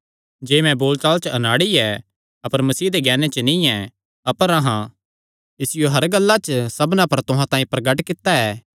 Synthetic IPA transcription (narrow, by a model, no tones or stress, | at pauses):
d͡ʒeːmɛ̃boːlt͡ʃaːlt͡ʃəɐnaːɽiɛ | ɐpəɾmɐsiːd̪eɡɛːnet͡ʃənĩɛ̃ | ɐpəɾɐ̃ɦã | ɪsɪjoɦɐɾɡɐlːat͡ʃsɐbnãpɐɾt̪ʊɦãt̪ãːĩpɾɐɡəʈkɪt̪ːaɛː